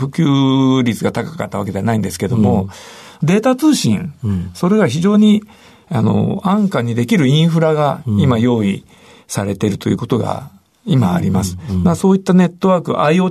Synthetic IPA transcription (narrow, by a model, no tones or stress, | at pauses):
ɸɯ̟kʲɨːɾʲit͡sɨɡat̪akḁkat̪ːaβake̞d̪e̞anaĩnd̪e̞sɨ̥ke̞d̪o̞mo̞d̪e̞ːt̪at͡sɨːɕĩɴso̞ɾe̞ɡaçiʑo̞ːɲ̟i | ano̞̰ãŋkaɲ̟ːid̪e̞kʲiɾɯ̟ĩɰ̃ɸɯ̟ɾaɡaimajo̞ːi | saɾe̞t̪e̞ɾɯ̟t̪o̞jɯ̟̰ːkot̪o̞ɡa̰ | ima̰ːɾʲimasɨ̥maso̞ːit̪ːane̞t̪ːo̞βakɯʔaio̞ː